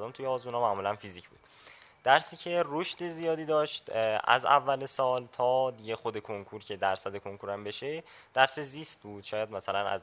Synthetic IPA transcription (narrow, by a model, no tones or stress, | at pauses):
d̪omt̪ʰujeɒːzmunɒmæʔmuːlænfiziːcʰbuːd̪̥ | d̪̥æɾsiːcʰe̞roʃd̪̥e̞zijɒːd̪iːd̪ɒːʃt̪æ̰zæ̰vːælesɒːlt̪ʰɒːd̪iɟe̞xod̪e̞kʰoŋkʰuɾcʰe̞d̪æɾsæd̪e̞kʰoŋkʰuɾæmbe̞ʃe | d̪̥æɾseziːst̪̚buːd̪̥ʃɒːjæd̪mæsælænæ̰z